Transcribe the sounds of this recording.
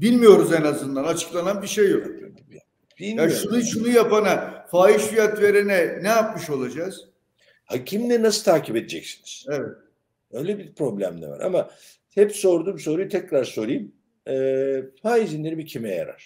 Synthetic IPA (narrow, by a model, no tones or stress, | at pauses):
bilʲmijo̞ɾuzenazɯnd̪anat͡ʃʰɯ̥klˠananbiʃejːok | bijaʃunuʃʰunujapanafaːiʃfijat̪ve̞ɾenɛnɛjap̚mɯʃo̞lˠad͡ʒaz̥ | hacʰimlʲɛnasɯlˠt̪ʰaːcʰiped̪ed͡ʒɛcsi̥niz̥evɛt̪̚ | øjlʲɛbipʰɾo̞blʲæ̰md̪ʲɛ̰va̰ɾa̰ma | hɛpso̞ɾd̪uːmso̞ɾujt̪ʰɛcːɾaɾso̞ɾɯjm | ɛːfaːizinlʲeɾimicʰimɛja̰ɾa̰ɾ̥